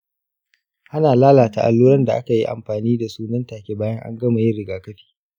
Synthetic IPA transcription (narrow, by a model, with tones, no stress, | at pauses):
ha˦naː˨laː˦laː˨ta˨ʔa̰˨lːuː˦ɾɐ˦nda˨ʔa̰˦ka˨ji˦ʔa̰˨mɸaː˨niː˦da˨suː˦nɐ˦ntaː˨kʲe˦baː˦jɐ˦ŋʔa̰˦ŋɡɐ˦ma˨jɪ˦ɾɪ˨ɡaː˨kɐ˦ɸi̥ː˦